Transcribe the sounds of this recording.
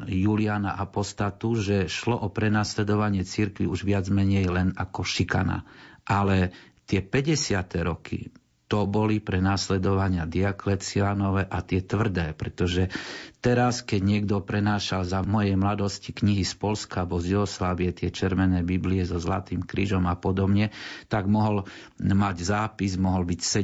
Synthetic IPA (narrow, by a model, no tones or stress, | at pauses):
juːlianaʔapɔst̪at̪uʒɛʃlɔʔɔpɾɛnaːslɛd̪ɔʋaɲɪɛt͡siɾkʋiuʒʋɪad͡zmɛɲɛjlɛnakɔʃika̰na̰ʔalɛt̪ɪɛpɛɟɛsɪat̪ɛɾɔkʰḭ | t̪ɔbɔlipɾɛnaːslɛd̪ɔʋaɲɪad̪iaklɛt͡sianɔʋɛʔat̪ɪɛt̪ʋr̩d̪ɛːpɾɛt̪ɔʒɛt̪ɛɾaskɛɟɲɪɛɡd̪ɔpɾɛnaːʃalzamɔjɛjmlad̪ɔscikɲiɦispɔlskabɔzjuɔslaːʋiɛt̪ɪɛt͡ʃɛɾʋɛnɛːbibliɛzɔzla̰t̪iːmkɾiːʒɔmapɔd̪ɔbɲɛt̪aɡmɔɦɔl | maɟzaːpizmɔɦɔlbicsɛ